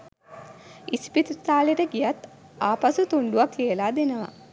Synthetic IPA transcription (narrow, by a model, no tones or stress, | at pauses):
ispit̪ut̪aːleʈəɡijat̪ | aːpasut̪uɳɖuʋaklijəlaːd̪enəʋa̰